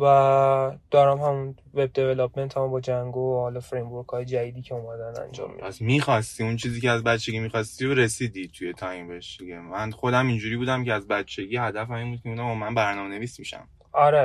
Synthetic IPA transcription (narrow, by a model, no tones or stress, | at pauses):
væd̪̥ɒːɾæmhæmun | ve̞b̚d̪e̞velɔpme̞nt̪ʰæmbɒːd͡ʒæŋɡohɒːlɒfɾejmbuɾkʰɒːjed͡ʒæd̪iːd̪iːcʰe̞omæd̪ænæ̰nd͡ʒɒ̰mːḭæsmiːxɒst̪iunt͡ʃʰiːziːceæzbæt̪t͡ʃʰːe̞ɡimixɒst̪iɾoɾe̞siːd̪it̪ʰujet̪ʰɒjmbeʃd̪iɟemænχo̞d̪æmind͡ʒuːɾiːbuːd̪æmcʰeæzbæt̪t͡ʃʰːeɡihæd̪æfæmiːnbuːd̪̚cʰeuːnæbɒmænbæɾnɒːmene̞viːsmiʃæ̰m | ɒɾe